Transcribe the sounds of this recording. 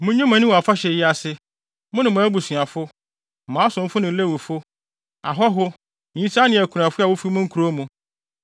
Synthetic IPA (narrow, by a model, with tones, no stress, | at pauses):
mʊ̃˦ɲʊ̃˦mã˨nɪ̃˦wa˨fa˦ɕɛ˨jɪ˦a˨sɪ˦ | mʊ̃˦nʊ̃˨mʊ̃˨æ˦bu˨sɥa˨fʊ˦˨ | mãː˨˦sʊ̃˨m̩˦fʊ˦nɪ̃˨˦le˦wʊ˨fʊ˦ | a̰˨ɦɔ˦ɦʊ̃˦˨ | ĩ˦sʰa˦nɪ̃˨æ˨kʰu˨ɾũ˨a˨fʊ˦a˨wʊ˦fi˦mʊ̃˦ŋ̩˦kʰu˨ɾo˦mũ˨